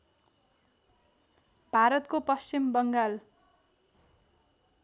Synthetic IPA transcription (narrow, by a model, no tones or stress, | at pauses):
bʱaɾʌt̪kopʌst͡ɕimbʌŋɡal